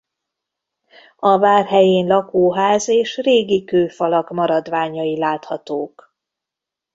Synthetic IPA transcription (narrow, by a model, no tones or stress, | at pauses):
ɒvaːrɦɛjeːnlɒkoːɦaːzeːʃreːɡikøːfɒlɒkmɒɾɒd̪vaːɲɒilaːt̪hɒt̪oːk